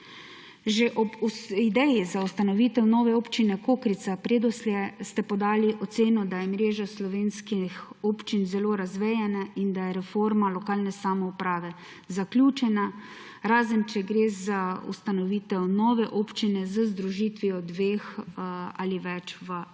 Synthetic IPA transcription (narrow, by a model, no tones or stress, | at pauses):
ʒeʔɔbuid̪ɛjizaust̪anɔʋiːt̪ɛwnɔːʋɛoːpt͡ʃinɛkokɾit̪sapɾeːd̪ɔslʲɛst̪ɛpɔd̪aːliʔɔt̪seːnɔd̪ajɛmɾeːʒaslɔʋeːnskixoːpt͡ʃinzɛloːɾazʋɛːjɛnaind̪ajɛɾɛfoːɾmalɔkaːlnɛsamɔupɾaːʋɛ | zaklʲjuːt͡ʃɛna | ɾaːzənt͡ʃɛɡɾeːzaṵst̪anɔʋiːt̪ɛwnɔːʋɛʔoːpt͡ʃinɛzəzd̪ɾuʒiːt̪ʋiɔd̪ʋeːx | aliʋɛt͡ʃʋə